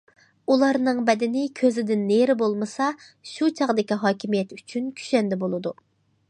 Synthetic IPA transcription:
ulˠɑɾnɨŋbɛd̪ɪnɪkʲʰøzɪd̪ɪnːeɾɪbolˠmɨsɑ | ʃut͡ʃʰɑʁd̪ɪkʲiɦɑːkʲimijɛt̪yt͡ʃʰynkʲʰy̥ʃɛnd̪ɛbolˠɨd̪u

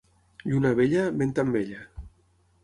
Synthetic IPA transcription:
ʎunaβeʎabent̪ambeʎa

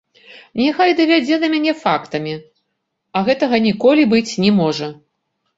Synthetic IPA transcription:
nʲɛxajd̪ɐvʲad͡zʲɛd̪ɐmʲanʲɛfakt̪ɐmʲi | ɐɣɛt̪ɐɣɐnʲikɔlʲibɨt͡sʲnʲɛmɔʐɐ

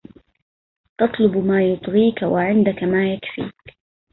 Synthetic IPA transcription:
t̪ɑt̪ˤlʊbmaːjʊt̪ˤɣiːkawaʕɪnd̪akamaːjakfḭːk

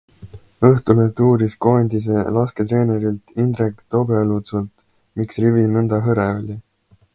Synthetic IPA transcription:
ɤht̪ulet̪uːɾisko̞nʲd̪̥is̬elɑsket̪ɾe̞ːneɾilt̪ind̪ɾekt̪o̞belut̪sult̪ | miksrivinɤnd̪ɑɦɤɾeo̞lʲi

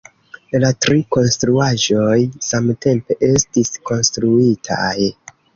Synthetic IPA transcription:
latɾiko̞nstɾuaʒo̞jsamte̞mpe̞ʔe̞stisko̞nstɾuitʰa̰j

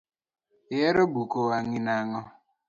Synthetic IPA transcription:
jeɾobukowaŋinaŋɔ

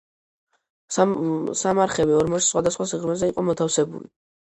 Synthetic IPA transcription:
samaɾχɛbiɔɾmɔssχwad̪asχwasiʁɾmɛzɛiqʼɔmɔt̪ʰafsɛbṵli

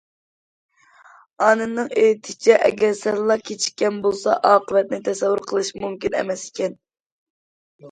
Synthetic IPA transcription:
ɑnɨnːɨŋejt̪ʰɪ̥t͡ʃʰɛʔɛ̰ɡʲɛɾsɛɾlˠɑkʲʰet͡ʃʰi̥ʃkʲɛnbolˠsɑ̰ʔɑːqəvɛt̪̚nɪt̪ʰɛsɛwːuɾqʰəlˠɨʃmumkʲinɛ̰mɛsi̥kʲʰɛn

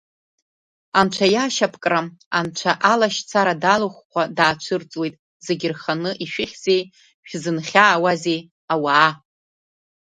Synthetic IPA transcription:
anʈ͡ʂʷʰajaʃapʰkʼramant͡ʃʷʰaʔalaʃt͡sʰaɾadaluχʷkʷʰadaːt͡ʃʷʰɨrt͡sʼwejtʼ | ze̞ɡʲɪrχanɨʔiʃᶣɪχʲze̞j | ʃᶣzɨnχʲaːwazej | awaː

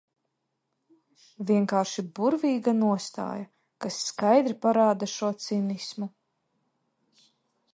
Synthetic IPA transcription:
vʲiɛŋkaːɾʃibuɾvʲiːɡanuɔst̪a̰ːja | kasːkajd̪ɾipaɾaːd̪aʃuɔt̪sinismu

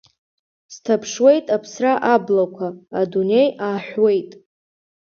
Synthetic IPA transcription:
stʰapʰʂwe̞jtʼapʰsraʔablakʷʰaːdune̞jaːħʷᶣwe̞jtʼ

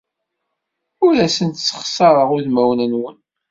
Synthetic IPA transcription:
ʊɾæsənt̪t͡sːə̥χsɑɾˤəʁʊðmæwnænwən

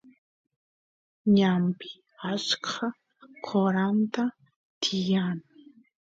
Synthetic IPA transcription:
ɲampɪ̥ | at͡ʃkʰa | kʰoɾant̪a | t̪ʰɪjan

